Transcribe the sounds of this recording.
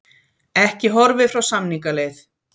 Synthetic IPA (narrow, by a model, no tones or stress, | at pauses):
ɛhcɪɦɔɾvɪfɾawsamniŋkalejθ